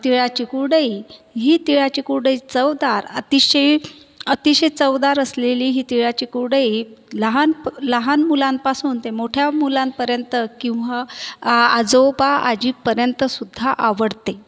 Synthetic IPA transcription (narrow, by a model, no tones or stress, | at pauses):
t̪iɭat͡ɕikuɽəiɦiːt̪iɭat͡ɕiːkuɽəit͡səwd̪aɾət̪iɕe | ət̪iɕet͡səwd̪aɾəsleliːɦiːt̪iɭat͡ɕiːkuɽəiləɦanləɦanmulãmpasuːnt̪emoʈʰjamulãmpəɾjənt̪əkĩw̃ʋaː | d͡zopaa̰d͡ʑiːpːəɾjənt̪əsud̪ʱːaʔaʋəɽt̪e